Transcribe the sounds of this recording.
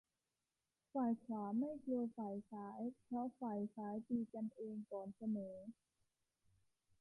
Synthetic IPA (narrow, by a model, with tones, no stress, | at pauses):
faː˨˩jkʰwaː˩˦ma˥˩jklu˧əfaː˨˩jsaː˩˦jpʰɾɔ˦˥faː˨˩jsaː˩˦jt̪iː˧t͡ɕa˧nʔeː˧ŋkɔː˨˩nsa˧nɤː˩˦